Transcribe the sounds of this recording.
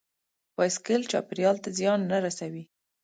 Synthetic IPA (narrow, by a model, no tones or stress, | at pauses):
wɑjskɪlt͡ʃɑ̰pɪɾjɑlt̪azjɑnːaɾasawi